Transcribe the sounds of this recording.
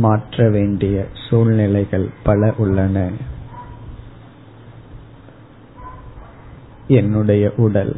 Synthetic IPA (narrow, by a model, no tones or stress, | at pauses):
maːʈrɐʋeːɳɖɪjɐsuːlnɪlɐɪɣɐɭpɐɭɐʔʊɭːɐnɐ | ɛnːɯɽɐjɐʔʊɽɐl